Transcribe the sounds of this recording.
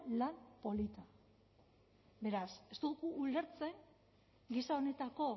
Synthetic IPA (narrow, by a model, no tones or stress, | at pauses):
lampo̞lit̪a | be̞ɾase̞st̪uðukuːle̞ɾt͡se̞ŋ | ɡisao̞ne̞t̪ako̞